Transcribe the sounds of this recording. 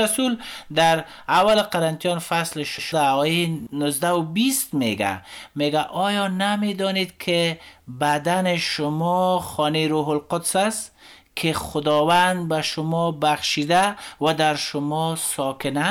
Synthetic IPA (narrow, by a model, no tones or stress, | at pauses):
asuld̪aɾ | awalqaɾant̪ijɔnfaslɪʃɪʃʊd̪aɔjenʊzd̪awʊbist̪meɡa̰meɡaʔɔjɔnamed̪ɔned̪kʰɪbad̪anɪʃʊmɔxɔneɾoɦʊlqʊd̪saskʰɪxʊd̪ɔwand̪̚baʃʊmɔbaxʃid̪awad̪aɾʃʊmɔsɔkɪna